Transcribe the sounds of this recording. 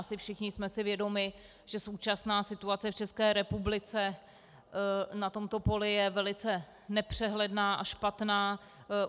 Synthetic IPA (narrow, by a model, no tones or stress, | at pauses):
sɪfʃɪxɲɪsmɛsɪvjɛdo̞mɪ | ʒ̥ɛso̞wt͡ʃasnaːsɪt̪uat͡sɛft͡ʃɛskɛːɾɛpublɪt͡sɛ | nat̪o̞mt̪o̞po̞lɪjɛvɛlɪt͡sɛ | nɛpr̥ɛɦlɛdnaːʔaʃpat̪naː